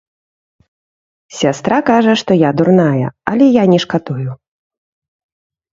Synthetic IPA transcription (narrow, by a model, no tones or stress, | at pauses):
sʲast̪ɾʔakaʐɐʂt̪ɔjad̪urnajɐ̰ɐ̰lʲɛjanʲɛʂkat̪uju